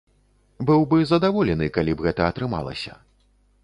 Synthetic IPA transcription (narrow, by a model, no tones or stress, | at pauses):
bɨwbɨzɐd̪avɔlʲɛnɨkalʲibɣɛt̪ɐːt̪ɾɨma̰lˠɐ̰sʲɐ